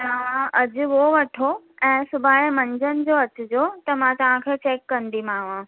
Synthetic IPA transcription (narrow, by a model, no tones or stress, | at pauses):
ʋãʔɐd͡ʑʊ̆ʋoʋɐʈʰo | ɛ̃ːsʊbʱaːemɐ̃ɲd͡ʑənɪ̆d͡ʑoɐt͡ɕʊ̆d͡ʑoːt̪ɐmãt̪ɐʋ̤ãkʰeːt͡ɕeːkːɐnd̪imãːʋã